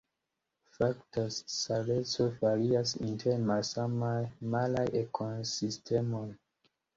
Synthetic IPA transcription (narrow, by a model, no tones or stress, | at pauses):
faktasalet͡sovaɾiasintʰeɾmasamajmalajʔekʰosistʰemoj